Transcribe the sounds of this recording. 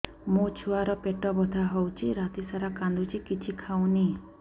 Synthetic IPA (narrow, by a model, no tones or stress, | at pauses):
mot͡ʃʰuaɾɔpeʈɔbɔd̪ʱaɦɔwt͡ʃʰiɾat̪isaɾakand̪ut͡ʃʰikit͡ʃʰikʰawni